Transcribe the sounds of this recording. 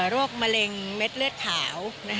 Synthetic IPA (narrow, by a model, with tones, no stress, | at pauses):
ɾoː˥˩k̚ma˧le˧ŋme˦˥t̪̚lɯ˥˩ət̪̚kʰːaː˩˦wna˦˥